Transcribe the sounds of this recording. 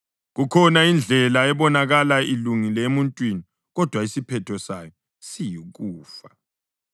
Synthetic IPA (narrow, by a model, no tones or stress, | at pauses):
ɣukʰɔnaind͡ɮʱɛlaɛβɔnaɣalailuŋilɛemuntʼwini | ɣɔd̥ʱwaisipʰɛtʰɔsajɔ | sijiɣuːfa